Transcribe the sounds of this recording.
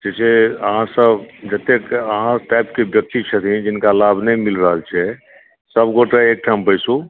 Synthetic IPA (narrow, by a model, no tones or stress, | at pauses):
d͡ʒɛseəɦãsəbd͡ʒət̪ekəɦãʈajp̚kebjək̚t̪it͡ʃʰət̪ĩd͡ʒinkalabʱnɛjmilɾəɦəlt͡ʃʰɛ | səbɡoʈeek̚ʈʰambəjsu